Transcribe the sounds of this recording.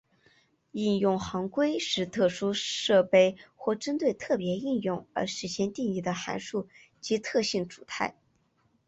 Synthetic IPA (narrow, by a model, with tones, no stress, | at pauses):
i˥˧njʊ˥˩ŋxɑ˧˥ŋkwe˥ɪʂɻ̩˥˧t̪ʰɤ˥˩ʂu˥ʂɤ˥˧pe˥˩ɪxwɔ˥˩ʈ͡ʂə˥nt̪we˥˧ɪt̪ʰɤ˥˩pjɛ˧˥i˥˧njʊ˥˩ŋə̰˧˥ʂɻ̩˧˥ɕjɛ˥˧nt̪i˥˧ŋi˥˩d̪ə˧xa̰˧˥nʂu˥˩ | t͡ɕi˧˥t̪ʰɤ˥˧ɕi˥˩nʈ͡ʂu̥˨˩t̪ʰa˥˩ɪ